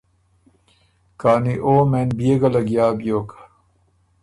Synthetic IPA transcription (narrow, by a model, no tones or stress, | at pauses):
kaːniʔoːmenbieɡɐlɐɡjaːbijoːkḁ